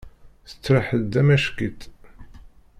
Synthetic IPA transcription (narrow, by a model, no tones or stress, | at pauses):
θə̥t͡sːɾaħəd̪æmæʃkit̪